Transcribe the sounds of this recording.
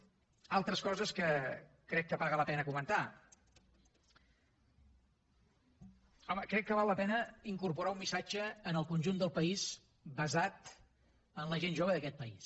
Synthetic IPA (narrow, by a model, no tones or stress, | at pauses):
alˠt̪ɾəskɔzəskəkɾɛkːəβaɣələpɛnəkumənt̪a | ɔməkɾɛkːəβalˠːəpɛnəiŋkuɾpuɾaumːisad͡ʒəːnəlˠkunʲʒund̪əlˠpəiz | bəzat̪ | ənləʒenʒoβəðəkɛt̪̚pəis